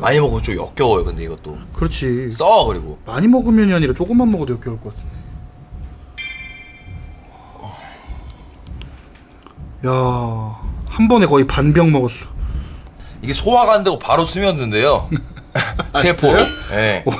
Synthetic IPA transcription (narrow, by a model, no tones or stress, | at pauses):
maɲimʌɡɯt͡ɕ͈omjʌ̰k͈jʌwʌjokɯnde̞iɡʌt͈okɯɾʌt͡ɕʰis͈ʌɡɯɾiɡomaɲimʌɡɯmjʌɲiɦaɲiɾat͡ɕ͈oɡɯmːanmʌɡʌdweʌk͈jʌɭk͈ʌk͈atʰɯnde | ʌ | ja | hambʌne̞kʌipanbjʌŋmʌɡʌs͈ʌ̥ | iɡesʰowaɡandeɡopaɾosʰɯmjʌɯnde̞jo | epʰooje